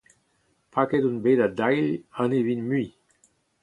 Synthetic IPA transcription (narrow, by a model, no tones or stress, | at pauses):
pakedunbeːdadajlɑ̃nevinmyi